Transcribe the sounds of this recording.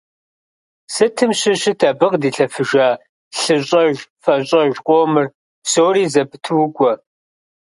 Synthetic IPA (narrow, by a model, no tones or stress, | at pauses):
sɨtʰɨmɕɪɕɪtʰɐbɨqdiːɬɐfɨʒaː | ɬɨɕʼɐʒfɐɕʼɐʒqʷʼoːmɨr | soːriːzɐbɨtʰɨwʊkʷʼɔ